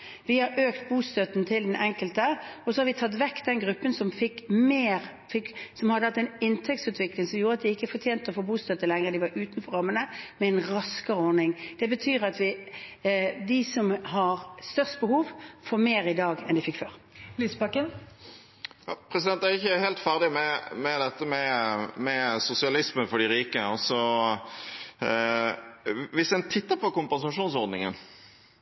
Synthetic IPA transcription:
ʋɪhɑɾøːkt̪buːst̪œt̪nt̪ʰɪld̪ɛnʔɛŋkəlt̪əɔsɔhɑɾʋɪt̪ʰɑt̪̬ʋækːd̪ɛnɡɾʉpːənsɔmfɪkːmeːɾ | fɪksɔmhɑd̪ːəhɑt̪ːɛnɪnt̪ʰɛk̚t̪sʉːt̪ʰʋɪklɪŋsɔmjuːɾəɑt̪̚d̪ɪɪkːəfɔʁt̪ʰjeːnt̪ɔfoːbuːst̪œt̪ːəlɛŋʁəd̪ɪʋɑɾʔʉːt̪nfɔɾɑmːənəmɛɛnʁɑskəɾəɔʁnɪŋd̪̥ɛbət̪ʰyːɾɑt̪ʋɪ | d̪ɪsɔmɦɑɾst̪œʁst̪bəhuːʋfɔʁmeːɾɪd̪ɑːɡɛnd̪ɪfɪkːføːʁ | liːsbɑkːən | jɑ̰ːpʰɾɛsɪd̪ɛnt̪æʁɪçːəhɛlt̪fæʁd̪ɪmɛmɛd̪ɛt̪ːəmɛmɛsʊsɪɑlɪsmənfɔɖɪɾiːkəɔsɔ | ʋɪsd̪ɛnt̪ʰɪt̪ːəpɔkʊmpɛnsɑʂuːnsɔʁd̪nɪŋə̰n

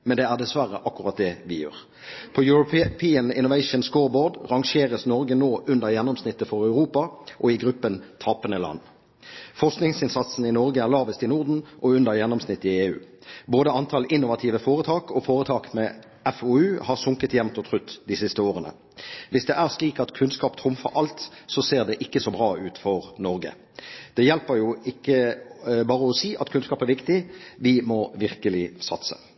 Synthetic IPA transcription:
mɛnd̪ɛæʁd̪ɛsʋæʁəʔɑkːʉʁɑt̪̚d̪ɛʋɪjø̰ːʁ | pʰɔjʉɾʊppʰiːənɪ̰nʊʋæɪʃənskoːboːd̪ʁɑŋʂeːʁəsnɔɾɡənoːʔʉnd̪əʁjɛnːɔmsnɪt̪ːəfɔʁɑʉɾuːpɑʔɔɪɡʁʉpːənt̪ʰɑːpənəlɑ̰nː | fɔʁsknɪŋsɪnsɑt̪sn̩ɪnɔʁɡəæʁlɑːʋəst̪ɪnʊʁd̪n̩ʔɔʉnd̪əʁjɛnːɔmsnɪt̪ːɪeːʉ̰ːboːd̪əɑnt̪ʰɑlɪnːʊʋɑt̪ʰiːʋəfoːʁət̪ʰɑːkʰɔfoːɾət̪ʰɑːkmɛː | ɛfoːʉːhɑʁsʊŋkət̪jɛmt̪ɔt̪ʰʁʉt̪ːd̪ɪsɪst̪əoːʁənə̰ | ʋɪsd̪ɛʔæʁsliːkɑt̪kʰʉnskɑːpt̪ʰɾʊmfɑɾɑlt̪sɔseːʁd̪ɛʔɪkːəsɔbɾʁɑːʉːt̪fɔʁnɔɾɡə̰ | d̪̥ɛjɛlpəɾjʊɪkːəbɑːʁəɔsiːʔɑt̪kʰʉnskɑːpæʁɾʋɪkt̪ɪʋɪmɔʋɪʁkəlɪsɑt̪sə̰

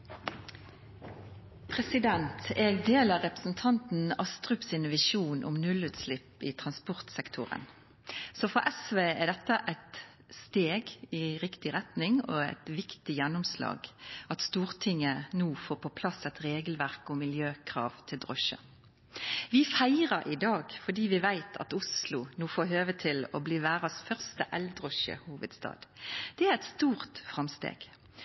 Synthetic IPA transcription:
pʰɾɛsɪd̪ɛnt̪ʰɛːɡd̪eːlɑʁɛpʁə̥sn̩t̪ʰɑnt̪n̩ɑst̪ʁʉpsɪnʋɪʃuːnʔʊ̰mnʉlʉːt̪slɪpːɪt̪ʰʁɑnspɔʁt̪sɛkt̪ʰʊ̰ʁə̰n | sɔfɔʔɛsʋeːæd̪ɛt̪ːəʔæɪt̪ | st̪eːɡɪʁɪkt̪ɪʁɛt̪nɪŋɔ̰æ̰ɪt̪ʋɪkt̪ɪjɛnːʊmslɑ̰ːɡɑt̪st̪uːʁt̪ʰɪŋːənuːfoːɾpʰɔpʰlɑsɛt̪ɾeːɡəlʋæʁkɔmɪljøːkʰʁɑ̰ːʋt̪ʰɪld̪ʁɔʃə̰ | ʋɪfæɪɾɑɾʔɪd̪ɑːɡfɔd̪iːʋɪʋæɪt̪ʰɑ̰t̪ʊslʊnuːfoːɦøːʋət̪ʰɪlɔ̰bliːʋæːʁɑsfœʁst̪əʔɛld̪ʁɔʃə̰huːʋəd̪st̪ɑ̰ːd̪d̪̥ɛæʁɛt̪st̪uːʁt̪fʁɑmst̪ḛːɡ̥

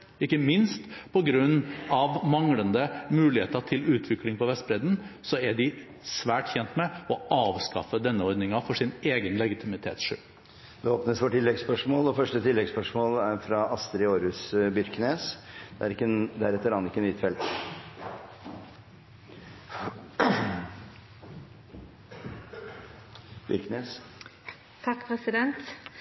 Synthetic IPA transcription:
ɪkːəmɪnst̪pʰɔɡɾʉnːɑʋmɑŋlənd̪əmʉːlɪhḛːt̪ət̪ʰɪlʉːt̪ʰʋɪklɪŋpɔʋɛst̪bɾɛd̪n̩sɔæɖɪ | sʋæːʈçɛnt̪mɛɔʔɑːʋskɑ̰fəd̪ɛnːəɔɾd̪nɪŋɑfɔʂɪneːɡənlɛɡɪt̪ʰɪmɪt̪ʰḛːt̪sʂʏ̰ | d̪ɛoːpnəsʋɔʈɪlːɛɡspœʂmoːlɔfœʂʈət̪ʰɪlːɛɡspœʂmoːlæɾfɾɑʔɑst̪ɾɪoːɾʉsbʏɾkneːsd̪̥ɛæɾɪkːəd̪æɾɛt̪ːəɾɑːnt̪ɪkːənyːt̪fɛlt̪ | bʏ̰ɾkneːs | t̪ʰɑkːpʰɾɛsɪd̪ɛnt̪

